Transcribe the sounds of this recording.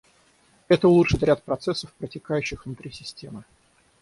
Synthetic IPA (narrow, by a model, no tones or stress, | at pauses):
ɛt̪əlˠuʂɨt̪ɾʲat̪̚pɾɐt̪sɛsːəfpɾətʲɪkajʉɕːɪxvnʊt̪ɾʲisʲɪsʲtʲemɨ